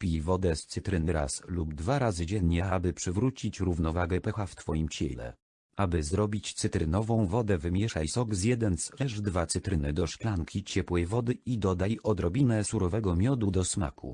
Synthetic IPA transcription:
pʲijvɔd̪ɛst̪sɘt̪ɾɘnɘɾa̰slub̚d̪vaɾazɘd͡ʑɛɲɲɛabɘpʂɘvɾut͡ɕit͡ɕɾuvnɔvaɡɛpɛxaft̪fɔjimt͡ɕɛ̰lɛ̰ | abɘzɾɔbʲit͡ɕt̪sɘt̪ɾɘnɔvɔ̃w̃vɔd̪ɛvɘmʲjɛʂajsɔɡzjɛd̪ɛnslɛʐd̪vat̪sɘt̪ɾɘnɘd̪ɔʂklaŋkʲit͡ɕɛpwɛjvɔd̪ɘid̪ɔd̪ajʔɔd̪ɾɔbʲinɛsuɾɔvɛɡɔmʲjɔd̪ud̪ɔsma̰kṵ

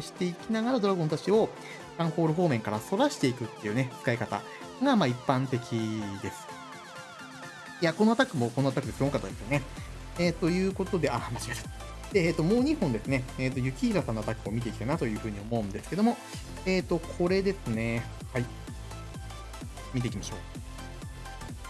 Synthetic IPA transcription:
ɕi̥t̪e̞ikʲinaɡaɾad̪o̞ɾaɡont̪at͡ɕio̞ | kãɰ̃ho̞ːɾɯ̟ɦo̞ːmẽ̞ŋkaɾaso̞ɾaɕi̥t̪e̞ikɯ̟t̪ːe̞jɯ̟ːne̞t͡sɨ̥kaikat̪a̰ | ɡamaːipːãnt̪e̞kʲid̪e̞sɨ̥ | jakono̞at̪akɯ̟mo̞ko̞noat̪akɯ̟d̪esokat̪ːad̪esɨjone | eːt̪o̞jɯ̟ːko̞t̪o̞d̪e̞amaɕimesɨ̥ | d̪̥eeːt̪ːo̞mo̞ːɲ̟ihõ̞nd̪e̞sɨne̞eːt̪ːo̞jɯ̟kʲiçiɾat̪anoat̪akɯ̟o̞mʲit̪e̞ikʲit̪ainat̪o̞jɯ̟ɸɯ̟ːɲ̟io̞mo̞ɯ̟̃nd̪esɨ̥ke̞d̪o̞mo̞ | eːt̪o̞kʰo̞ɾe̞d̪e̞sɨne̞ | hai | mit̪eikʲimaɕo̞̰ː

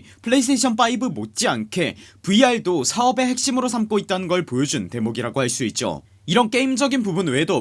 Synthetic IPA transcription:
pʰɯɭe̞is̬tʰeɕʰʌnp͈aibɯmot̚t͡ɕ͈iankʰe̞puiaɭdosʰaʌbe̞ɦe̞k̚ɕ͈imɯɾosʰamk͈oit̚t͈anɯnɡʌɭpojod͡ʑunte̞moɡiɾaɡohaɭs͈uit̚t͡ɕ͈o̰ | iɾʌnk͈e̞imd͡ʑʌɡinpubunwe̞do

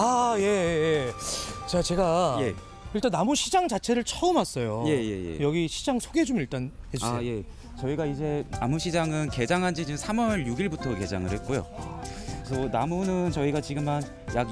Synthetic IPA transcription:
aje̞jje | t͡ɕat͡ɕe̞ɡaje | iɭt͈anːamuɕʰid͡ʑaŋt͡ɕat͡ɕʰe̞ɾɯɭt͡ɕʰʌɯmas͈ʌjoje̞je̞̰jḛjʌɡiɕʰid͡ʑaŋsʰoɡe̞d͡ʑomiɭt͈anhed͡ʑaje̞ | t͡ɕʌiɡaid͡ʑe̞na̰muɕʰid͡ʑaŋɯnke̞d͡ʑaŋɦand͡ʑit͡ɕiɯmsʰamwʌɭjuɡiɭbutʰʌke̞d͡ʑaŋɯɭhe̞t̚k͈ojo̰ | sʰʌnamunɯnt͡ɕʌiɡat͡ɕiɡɯman | jaɡ

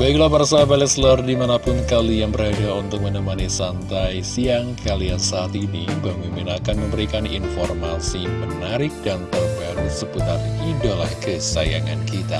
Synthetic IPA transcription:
baiklahbarsabalɛslardimanapʊnkaliaŋbəɾadaunt̪ʊk̚mənəmanisant̪ajsiaŋkʰaliansaat̪inibamiminakanməmbəɾikanḭnformasimənaɾɪk̚dant̪ərbaɾusəput̪a̰ridolahkəsaja̰ŋa̰nkit̪a̰

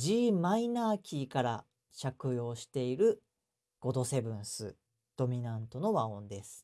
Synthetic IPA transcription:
d͡ʑiːmainaːkʲiːkaɾa | ɕakɯ̟jo̞ːɕi̥t̪e̞iɾɯ̟ | ɡ̥o̞d̪o̞se̞bɯ̟̃ɰ̃sɨ | d̪̥o̞mʲinãnt̪o̞no̞βaõ̞nd̪e̞sɨ̥

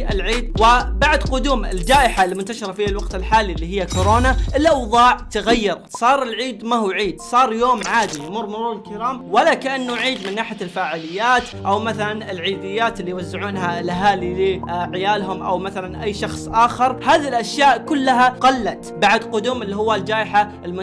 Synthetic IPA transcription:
ʔɪlʕiːd̪wɪbaʕd̪qʊd̪uːmɪ̰ld͡ʒaːʔɪħalːimʊnt̪aʃɑɾˤɑfiːhalwɑqt̪ɪlħaːlilːiɦɪjːakʊɾoːnaʔɪlʔɑwðˤɑːʕt̪aɣajːɑɾsˤɑːɾˤɪlʕiːd̪mahuwʕiːd̪sˤɑːɾˤjoːmʕaːd̪ijmʊɾˤmʊɾuːɾɪlkɪɾaːmwalakaʔanːuʕiːd̪mɪnːaːħɪjalfaːʕalɪjːaːt̪ʔawmaθalanɪlʕiːd̪ɪjːaːt̪ɪlːijwazːɪʕuːnɦalʔaɦaːlilɪʕɪjaːlɦʊmʔa̰wmaθalanʔajːʃɑxsˤʔaːxɪɾˤhaːðilʔaʃjaːʔkʊlːaɦaqɑlːat̪baʕd̪qʊd̪uːmʔɪlːiɦʊwːald͡ʒaːʔɪħaɪlmʊ

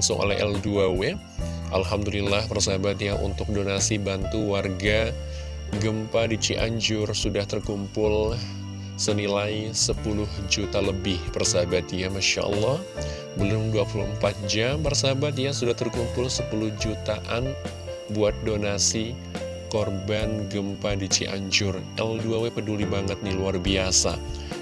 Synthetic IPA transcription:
sʊŋʔo̰lɛɦɛ̰lduawe | ʔa̰lɦamd̪ulilːahpərsəɦabat̪ijaʔṵnt̪ʊk̚donasibant̪uwarɡa | ɡəmpadit͡ʃiʔa̰ɲd͡ʒʊrsudaht̪ərkumpʊl | sənilajsəpulʊhd͡ʒut̪aləbɪhpərsəɦabat̪̚ijamaʃa̰ʔə̰lːɑh | bəlʊmduapulṵəmpat̪̚d͡ʒampərsaɦabat̪̬ijasudaht̪ərkumpʊlsəpulʊhd͡ʒut̪aʔan | buat̪̚donasi | korbanɡəmpadit͡ʃḭʔa̰ɲd͡ʒʊrʔɛlduawepədulibaŋət̪̚niluarbiasa̰

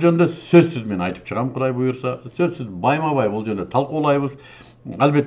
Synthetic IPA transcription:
ʒønd̪esɵzsɪzme̞nɑjt̪ə̥pʃəʁɑmqʰʊd̪ɑjbʊjəɾsɑsɵzsɪzbɑjmɑβɑjwolˠʒe̞ɾnd̪e̞t̪ʰɑlˠqulˠɑjbəz | ælbe̞t̪ː

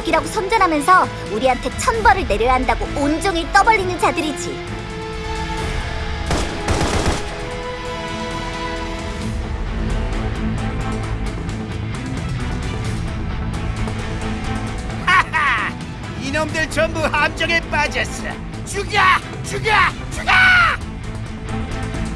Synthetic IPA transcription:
ʌɡiɾaɡosʰʌnd͡ʑʌnɦamjʌnsʰʌ | uɾiɦantʰe̞t͡ɕʰʌnbʌɾɯɭne̞ɾjʌjʌɦandaɡoʔond͡ʑoŋit͈ʌbʌʎːinɯnd͡ʑadɯɾid͡ʑḭ | a | inʌmdɯɭt͡ɕʌmbuhamd͡ʑʌŋep͈ad͡ʑʌs͈ɯ̰ | t͡ɕuɡja | t͡ɕuɡa | t͡ɕuɡa

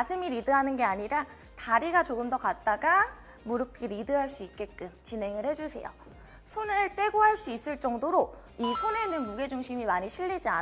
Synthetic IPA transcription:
asʰɯmiɾidɯɦanɯnɡe̞aɲiɾa | taɾiɡat͡ɕoɡɯmdʌkat̚t͈aɡa | muɾɯp̚ʰk͈ʰiɾidɯɦaɭs͈uik̚k͈e̞k͈ɯmt͡ɕinɦe̞ŋɯɭhe̞d͡ʑusʰe̞̰jo̰ | sʰonɯɭt͈e̞ɡoɦaɭs͈uis͈ɯɭt͡ɕ͈ʌŋdoɾo | isʰone̞nɯnmuɡe̞d͡ʑuŋɕʰimimaɲiɕʰiʎːid͡ʑia̰

